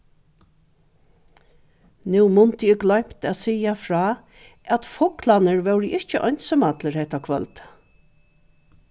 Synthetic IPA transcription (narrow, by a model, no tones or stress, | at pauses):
nuːmʊnt̪əɪɡlœjm̥t̪æt̪siːafɾɑː | æt̪fɔklanəɹʋœwɾəʔɪht͡ʃəʔɔjnsɔmat̪ləɾhɛht̪akʰvœ̰lt̪